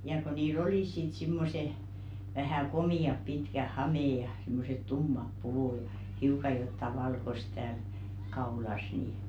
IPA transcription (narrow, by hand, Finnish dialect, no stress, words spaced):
jɑˑ ko niːl oliˑs sit simːose ʋæhæˑ komiˑɑp pitkæh hɑmeˑ jɑ simːoset tumːɑp puʋuˑ j̊ɑ̥ hiukɑ jotːɑ ʋɑlkos tæːl kɑulɑs ni